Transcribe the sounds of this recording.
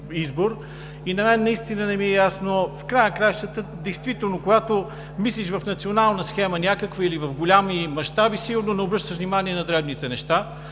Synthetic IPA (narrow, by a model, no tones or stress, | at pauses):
izboɾ | inɐmɛnːɐist̪inənɛmiɛjasnofkɾajnəkɾajʃt̪ət̪əd̪ɛjst̪vit̪ɛlˠnokʊɡat̪o | misliʃvɐfnɐt̪sionalˠnəsxɛmənʲakəkvəilivɐvɡʊlʲamimɐʃt̪abisiɡʊɾnonɛobɾɤʃt̪əʃvnimaniɛnɐd̪ɾɛbnit̪ɛnɛʃt̪a